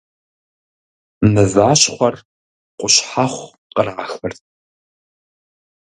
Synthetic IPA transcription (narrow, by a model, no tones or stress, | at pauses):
nɐzaːɕχʷɐr | qʷʼʊɕħaχʷ | qəraːxɨrt̚ʰʼ